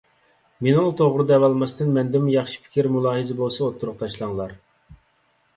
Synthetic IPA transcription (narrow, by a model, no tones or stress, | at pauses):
menɑlˠt̪ʰoʁɾɨd̪ɑɛːvɑlˠmɑst̪ɨnmɛnd̪ɪmjɑχʃi̥pʰɪ̥kʲiɾmulˠɑːɦɨzɨbolˠsɑot̪ʰːuɾʊq̚t̪ʰɑʃlˠɑŋlˠɑɾ